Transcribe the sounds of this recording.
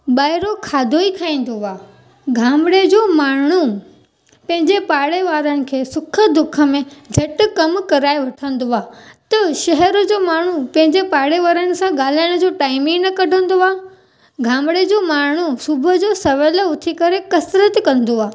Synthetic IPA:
ɓaːɪɾokʰaːd̪ʱoikʰaːĩːn̆d̪oaː | ɡʱãːmɽed͡ʑoːmaːɳ̤̃u | pɐ̃ɦɪ̃ɲd͡ʑepaːɽeʋaːɾənɪ̆kʰeːsʊkʰə̆d̪ʊkʰə̆mẽd͡ʑʱɐʈʊ̆kɐmkɐɾaːeʋɐʈʰə̃nd̪oaːt̪ɐʃɐɦɛɾʊ̆d͡ʑoːmaːɳ̤upɐ̃ɦɪ̃ɲd͡ʑepaːɽeʋaːɾənɪ̆sãɠaːl̤aːɪɽ̃ə̆d͡ʑoːʈaːɪmɪ̃ŋnɐkɐɖʱə̃nd̪oaː | ɡʱãːmɽed͡ʑoːmaːɳ̤̃usʊbʱəd͡ʑoːsɐʋələʊt̪ʰikɐɾekɐsɾət̪kɐ̃nd̪oaː

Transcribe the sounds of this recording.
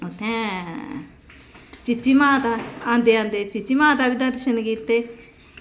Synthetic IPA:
ot̪ʰːɛ̃ː | t͡ʃɪt͡ʃːiːmãːt̪aːãːnd̪eːãːnd̪eːt͡ʃɪt͡ʃːiːmãːt̪aːbɪd̪ãːɾɪʃənɡiːt̪ːeː

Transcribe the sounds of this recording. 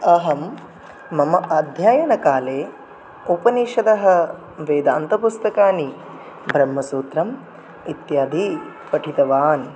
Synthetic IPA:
ɐɦɐmː | ɐmɐʔɐd̪ʱjaːjɐnɐkaːleː | upɐniːʃɐd̪ɐɦɐ̆ | ʋeːd̪aːnt̪ɐpust̪ɐkaːni | bʱɾɐmːɐsuːt̪ɾɐm | it̪jaːd̪i | pɐʈʰit̪ɐʋaːn

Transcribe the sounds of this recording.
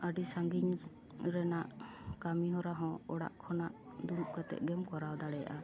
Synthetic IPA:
aɖisaŋɡiɲ | ɾɛnaʔ | kamiɦɔ̃ɾaɦɔ̃ɔɽa̰ʔkʰɔnaʔ | d̪uɾuʔ̚kat̪ɛ̰t̪̚ˀɡɛmkɔɾawd̪aɽɛja̰ʔa

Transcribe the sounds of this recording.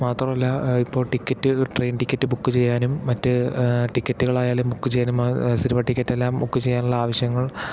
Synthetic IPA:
maːt̪rɐmɐlːɐipːo̞ːɭʈikʲːɐtːɨʈrejnʈikʲːɐtːɨbukːɨt͡ɕe̞jːaːnumːɐtːɨʈikʲːɐtːuɣɐɭaːjaːlumbukːɨt͡ɕejːaːnumsiɾuʋɐʈːikʲːɐtːe̞lːaːmukːɨt͡ɕejːaːnuɭːɐaːʋɐɕjɐŋːɐɭ

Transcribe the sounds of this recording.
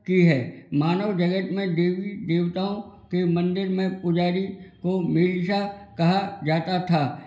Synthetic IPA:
kiɦɛːmaːnəʋd͡ʒɐɡət̪mẽd̪eːʋid̪eːʋt̪aːõkemɐ̃nd̪ɪɾmẽpʊd͡ʒaːɾikomɪlʃakɐɦad͡ʒaːt̪at̪ʰaː

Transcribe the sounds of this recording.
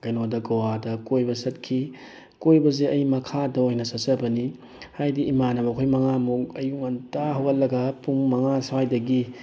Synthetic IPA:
ɡ̥ɐjnodɐɡowadɐkojbɐsɐt̚kʰi | kojbɐzeɐjmɐkʰadɐojnɐsɐsɐbɐni | hajdiːmanɐmɐkʰojmɐŋamukɐjuŋɐntaɦɐwɐlːɐɡɐpuŋmɐŋasɐwajdɐɡi

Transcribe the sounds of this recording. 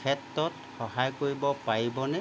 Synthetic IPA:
ɛtːɔt | xɔɦajkoɹibɔpaɹibɔnɛ

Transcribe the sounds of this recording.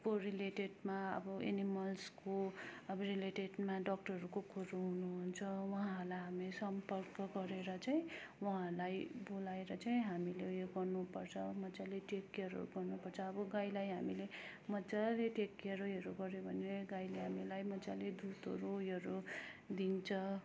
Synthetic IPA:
korileʈeɖmaʌ̰bʌḛnimʌlskoʌbʌɾileʈeɖmaɖʌk̚ʈʌrʌɾukokʰoɾoɦunuɦunt͡sʰʌwʌɦaɦalajɦamesʌmpʌrkɡʌɾeɾʌt͡saĩ | wʌɦãlajbolaeɾʌt͡saĩɦamilejoɡʌrnupʌrt͡sʰʌmʌd͡zaleʈekːʌɾʌ̰ɾuɡʌrnupʌrt͡sʰʌːbʌɡajlajɦamile | mʌd͡zaleʈekːʌɾojʌɾuɡʌɾjobʱʌneeɡajleɦamilajmʌd͡zaled̪ut̪ʌ̰ɾojɦʌɾud̪int͡sʰʌ

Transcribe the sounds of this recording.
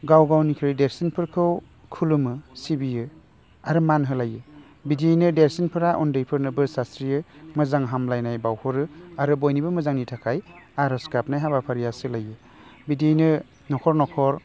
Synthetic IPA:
ɡawɡawnikʰɾijdeɾsinpʰɯɾkʰɯw | kʰulumɯsibijɯ | aɾɯmanɦɯlajɯ | bidinɯdeɾsinpʰɯɾaʔɔndɯjpʰɯɾnɯbɯsasɾijɯmɯzaŋɦamlajnajbawhɔɾɯaɾɯbɔjnibɯmɯzaŋnitʰakʰajaɾɔskap̚najɦabapʰaɾijasɯlajɯ | bidijnɯ | nɔkʰɔɾnɔkʰɔɾ

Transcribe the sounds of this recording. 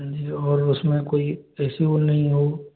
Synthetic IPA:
d͡ʒiːɔːɾʊsmẽkoːiɛːsionɐɦĩɦoː

